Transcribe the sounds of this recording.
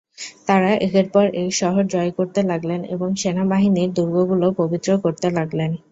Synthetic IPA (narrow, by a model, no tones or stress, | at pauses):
t̪aɾaʔekeɾpɔɾejʃɔɦoɾd͡ʑɔekoɾt̪elaɡlenḛboŋʃenabaɦiniɾd̪uɾɡoɡulopobit̪ːɾokoɾt̪elaɡlen